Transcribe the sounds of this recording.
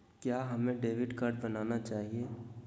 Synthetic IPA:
kjaːɦɐmẽɖeːʋɪɖkaɾʈbɐnaːnat͡ʃaːɦieː

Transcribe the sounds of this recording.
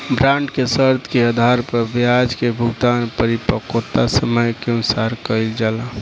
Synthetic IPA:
bɾãɳɖkesəɾt̪ʰkeəd̪ʱaɾpəɾbjad͡ʒkebʱuɡd̪anpəɾipəkot̪asəməjkeənsaɾkəɪld͡ʒaːla

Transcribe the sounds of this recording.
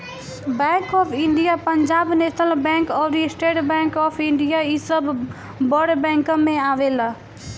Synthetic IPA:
bɛ̃ːkɔːpʰɪ̃ɳɖijapəɲd͡ʒaːbnet̪əlbɛ̃ːŋkɔːɾisʈeːʈbɛ̃ːŋkɔːpʰɪ̃ɳɖijaisəb | bɔɖbɛ̃ːŋkə̃ːẽaːʋela

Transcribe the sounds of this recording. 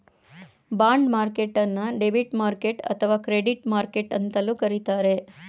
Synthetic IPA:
bãɳɖmaɾkeʈənaɖebiʈmaɾkeʈə̰t̪ʰəʋakɾeɖiʈmaɾkeʈənt̪əlũkəɾit̪aɾe

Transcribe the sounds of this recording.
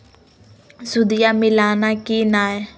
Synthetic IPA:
sʊd̪ɪjamɪlaːnakinaːe

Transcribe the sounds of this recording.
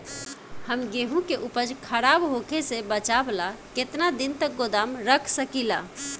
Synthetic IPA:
həmɡeɦũkeʔupəd͡ʒkʰəɾaːbɦokʰesebət͡ʃablaket̪nad̪ɪnt̪ək̚ɡod̪aːmɾəkʰsəkila̰

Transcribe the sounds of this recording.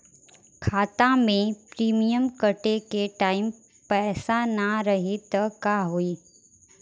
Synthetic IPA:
kʰaːt̪ãmẽpɾiːmijəmkəʈekeʈaːɪm | pɛːsanaɾəɦit̪əkaːɦoiː

